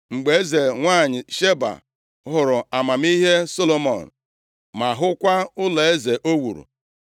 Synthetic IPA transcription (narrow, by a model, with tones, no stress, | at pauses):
ŋ͡m̩˨ɡ͡be˨e˦ze˨ŋʷaː˦˨ɲɪ˨ʃe˦ba̰˨ | ɦʊ˨ɾʊ˨a˨ma˨m˦i˦ɦe˦so˦lo˨mɔ̰˨n̩˨ | ma˨ɦʊ˦kʷa˦ʊ˦le˨e˦ze˨ʔo˦wṵ˨ɾṵ˨